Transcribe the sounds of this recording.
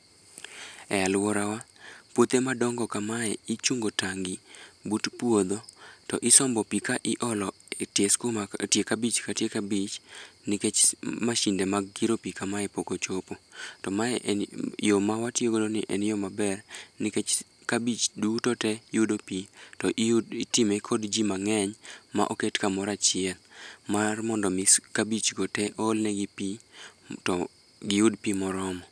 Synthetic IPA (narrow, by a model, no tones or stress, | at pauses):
ɛalwɔɾawapwot̪emadɔŋɡɔkamaɛit͡ʃuŋɡotaŋɡibutpwod̪otɔ̰ʔɪsɔmbɔpikaʔɪʔɔlɔ | etjeskomatjekabit͡ʃkatjekabit͡ʃnɪket͡ʃmaʃindemaɡːiɾopikamaɛpokot͡ʃopotɔmaɛʔjomawatjoɡodoniʔɛnjomabɛrnɪket͡ʃ | kabit͡ʃdutɔtɛjudopitɔʔitimekʰɔdd͡ʒimaŋɛɲma̰ʔoketkamɔɾat͡ʃɪɛlmarmɔndɔmiskabit͡ʃɡotɛʔɔlnɛɡipitɔ | ɡɪudpimɔɾɔmɔ